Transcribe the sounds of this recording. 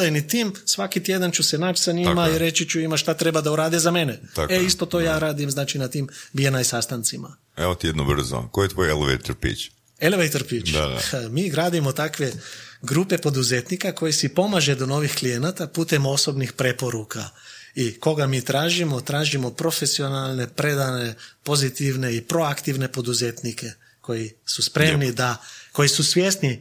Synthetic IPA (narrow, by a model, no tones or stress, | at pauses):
nit̪iːmsʋakit̪jed̪ant͡ʃusenat͡ʃsaɲimaiɾe̞t͡ʃit͡ʃuimaʃt̪at̪ɾe̞bad̪auɾaːd̪izame̞neaeist̪o̞t̪o̞jaːɾaːd̪imznaːt͡ʃinat̪iːmbijenaisast̪ant̪sima̰ | eot̪ijed̪nobr̩zo̰kojet̪ʋojeleʋḛjt̪oɾpḭt͡ʃ | eleʋejt̪oɾpit͡ʃd̪aa̰miːɡɾaːd̪imot̪akʋe̞ɡɾupe̞po̞d̪uzet̪nikako̞jisipo̞maʒed̪ono̞ːʋixklijenat̪apuːt̪emo̞so̞bnixpɾe̞po̞ɾuka̰iko̞ɡamiːt̪ɾaːʒimo̞t̪ɾaːʒimo̞pɾo̞fesio̞nalˠne̞pɾed̪ane̞po̞zit̪iʋne̞ipɾo̞akt̪iʋne̞po̞d̪uzet̪nike̞ | ko̞jisuspɾemnid̪ako̞jisusʋjest̪ni